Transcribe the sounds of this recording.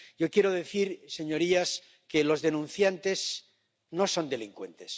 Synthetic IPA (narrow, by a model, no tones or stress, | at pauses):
jokje̞ɾoðe̞θiɾse̞ɲo̞ɾias | kelo̞zðe̞nũn̟θjant̪e̞s | no̞so̞nd̪e̞liŋkwe̞̰nt̪es